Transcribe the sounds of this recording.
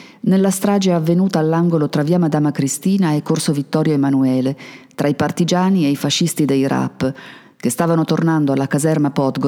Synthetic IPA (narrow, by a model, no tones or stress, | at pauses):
nelːast̪ɾaːd͡ʒeavːenuːt̪aːlːaŋɡolot̪ɾaviːamad̪aːmakɾist̪iːnaɛkːorsovit̪ːɔːɾjoemanuɛːlet̪ɾʔaipart̪id͡ʒaːniejfaʃːist̪id̪ejɾa̰pː | k̟est̪aːvanot̪ornand̪oalːakazɛrmapɔt̪ɡo